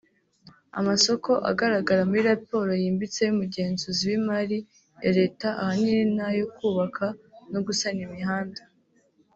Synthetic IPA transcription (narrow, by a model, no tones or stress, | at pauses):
a̰maso̞ko̞ʔa̰ɡaɾaɡaɾamuɾiɾapo̞ːɾo̞jiːmbit͡sejumuɟe̞ːnzuziwimaɾi | eɾe̞ːtaʔahaniɾinajokuːβakʰanoɡusanimiɦaːnda